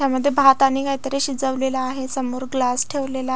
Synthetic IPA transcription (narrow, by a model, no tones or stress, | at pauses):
tjaməd̪ʱːjebʱat̪aniːkaɦit̪əɾeɕid͡zəʋlelaːɦesəmoɾɡlasʈʰeʋlela